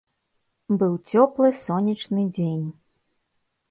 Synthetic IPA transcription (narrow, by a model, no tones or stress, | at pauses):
bɨwt͡sʲɔplˠɨsɔnʲit͡ʂnɨd͡zʲenʲ